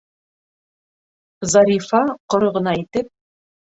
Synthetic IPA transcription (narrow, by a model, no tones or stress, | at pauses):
zɑɾʲifɑqŏɾŏʁɤ̆nɑit̪ɘp̚